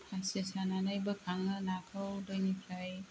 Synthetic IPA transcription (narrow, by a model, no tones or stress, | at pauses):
hʰasesananajbɯkʰaŋɯnakʰɯwdɯjnipʰɾaj